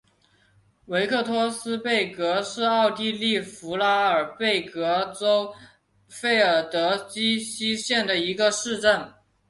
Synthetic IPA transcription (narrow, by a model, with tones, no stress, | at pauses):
we˧˥ɪkʰɤ˥˩t̪ʰwɔ˥sɹ̩˥pe˥˩ɪkɤ˧˥ʂɻ̩˥˧ɑ˥˧ʊt̪i˥˧li˥˩fu˧˥la˧˥ə˞˨˩pe˥˩ɪkɤ˧˥ʈ͡ʂo˥ʊ | fe˥˩ɪə˞˨˩t̪ɤ˧˥t͡ɕi˥ɕi˥ɕjɛ˥˩nd̪ə˩i˧˥ɡə˧ʂɻ̩˥˧ʈ͡ʂə˥˩n